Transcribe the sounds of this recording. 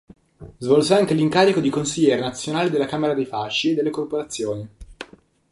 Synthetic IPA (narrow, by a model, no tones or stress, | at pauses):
zvolsaŋkeliŋkaːɾikod̪ikonsiʎːɛːɾenat̪sːjonaːlid̪elːakaːmeɾad̪ejfaʃːied̪ːelːekorpoɾat̪sːjoːni